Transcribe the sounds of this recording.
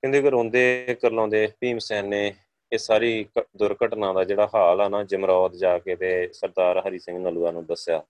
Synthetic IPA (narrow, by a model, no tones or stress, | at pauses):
kɪ̃nd̪uːɡəɾõːnd̪eːkəɾlõːnd̪eːpiːmsɛːnːeː | eːsaːɾiːd̪ʊɾkəʈnãːd̪aːd͡ʒeːɽaːɦaːlɛːnaːd͡ʒəmɾɔːt̪d͡ʒaːkeːt̪eːsəɾd̪aːɾɦəɾiːsɪ̃ŋɡnəluːaːnũːd̪əsjaː